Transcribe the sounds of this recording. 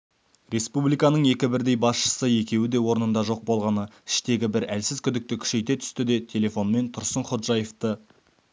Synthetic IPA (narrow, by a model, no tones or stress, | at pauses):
ɾe̞spublˠijkɑnəɴje̞kʲɪbɪɾd̪e̞jbɑsʃə̥səje̞kʲe̞wɪd̪e̞wo̞ɾnənd̪ɑʒo̞q̚bo̞lˠʁɑnəɪ̥ʃt̪e̞ɡʲɪbɪɾælsɪzkʲʰʏd̪ɪk̚t̪ɪkʲʰʏ̥ʃe̞jt̪e̞t̪ʰʏ̥st̪ɪd̪e̞t̪ʲʰe̞lʲe̞fo̞nme̞nt̪ʰʊɾsəɴχot̪ʒɑjeft̪ə